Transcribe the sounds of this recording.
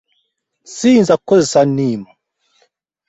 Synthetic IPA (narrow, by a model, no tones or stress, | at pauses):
sinzakɔzɛsanima